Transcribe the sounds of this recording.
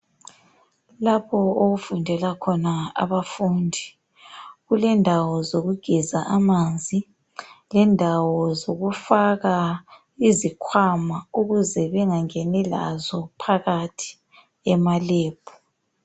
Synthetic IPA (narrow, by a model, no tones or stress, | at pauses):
lapʰɔoɣufundʱɛlakʰɔnaa̰βafundʱi | ɣulɛndʱawɔzoɣuɡ̥ʱizaʔamand͡zʱi | lɛndʱawɔzoɣufaɣa | izikʰwamauɣuzɛβɛŋaŋɛnɛla̰zɔpʰaɣatʰi̥ | ɛmaleːb̥ʰʱu̥